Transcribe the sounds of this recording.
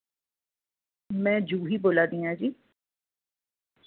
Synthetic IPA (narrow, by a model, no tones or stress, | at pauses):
mɛ̃ːd͡ʒuːɦiːboːlaːd̪ĩːɦãd͡ʒiː